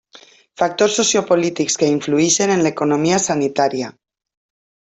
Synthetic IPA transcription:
fak̚t̪oɾsːosjopolit̪ikskeiɱfluiʃe̞nẽ̞nlaekonomiasanit̪aɾja

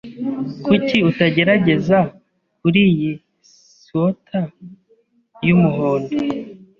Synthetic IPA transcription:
kuciutaɟe̞ɾaɟe̞za | kuɾiji | sotʰa | jumuɦoːnde

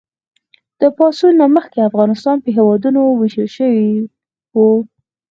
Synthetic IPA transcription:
d̪̥əpɑsunːaməxkeafɣɑnɪst̪ɑnpəɦewɑd̪unowɪʃəlʃəwi | wu

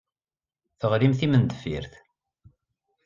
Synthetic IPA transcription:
θəʁɾimθimənd̪əfḭɾθ

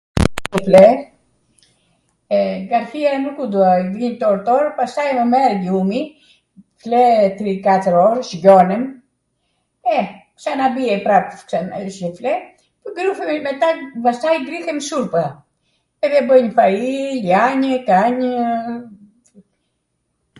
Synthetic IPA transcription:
ɲəflɛ | ɡaɾθiaɾɛnukud̪uavint̪ɔɾt̪ɔɾpast̪ajməmɛɾumi | flɛt̪ɾikat̪əɾɔɾʃɟɔnɛm | ɛksanabiɛpɾapksanaʃəflɛ | pɔɡɾufɛmɛt̪abast̪ajɡɾiθɛmsuɾpa | ɛðɛbəɲəfailjaɲəkaɲ

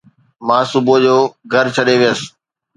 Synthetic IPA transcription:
mãːsʊbod͡ʑoːɡʱɐɾt͡ɕʰɐɗeʋɪjəs

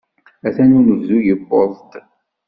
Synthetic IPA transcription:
æθænunəvzujəbːoðˤt̪

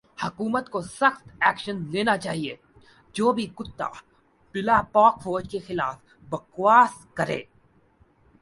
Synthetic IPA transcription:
hɐkuːmət̪kosəxt̪ɛːkʃənleːnat͡ʃaːɦie | d͡ʒoːbʱikʊt̪ːa̰ | pɪlapɔːkfoːd͡ʒkexɪlaːf | bɐkwaːskɐɾḛː

